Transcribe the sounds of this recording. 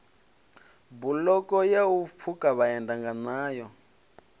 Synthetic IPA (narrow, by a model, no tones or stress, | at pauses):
bulɔkɔjaup̪fʰukaβaɛndaŋɡanaːjɔ